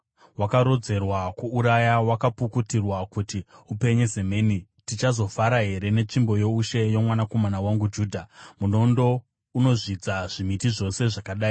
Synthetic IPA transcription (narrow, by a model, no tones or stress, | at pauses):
wakaɾo̞d͡ze̞rwakuuɾajawakapukutirwakutiupe̞ɲe̞ze̞meːni | tit͡ʃazo̞faɾaɦe̞ɾe̞ne̞t͡ʂimbo̞jo̞uʃe̞jo̞mwanako̞manawaŋɡud͡ʒuːdʱamuno̞ndo̞ | uno̞ʐid͡zaʐimitiʐo̞se̞ʐakaɗaːi